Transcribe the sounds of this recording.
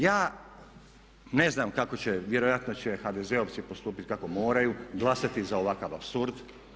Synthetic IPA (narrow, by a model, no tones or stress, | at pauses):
jaː | ne̞znamkako̞t͡ɕeʋje̞ɾo̞jat̪no̞t͡ɕexad̪ezeoʋ̪sipo̞st̪uːpit̪kako̞mo̞ːɾajuɡlˠasat̪izao̞ʋakaʋapsuɾd̪